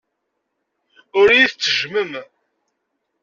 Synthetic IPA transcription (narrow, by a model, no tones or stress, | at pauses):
ʊɾjiθt͡sːəʒməm